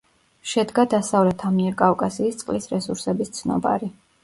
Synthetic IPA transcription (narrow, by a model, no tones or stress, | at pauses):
ʃɛd̪ɡad̪asavlɛt̪ʰamiɛɾkʼavkʼasiːst̪sʼqʼlisɾɛsuɾsɛbist̪sʰnɔ̰ba̰ɾi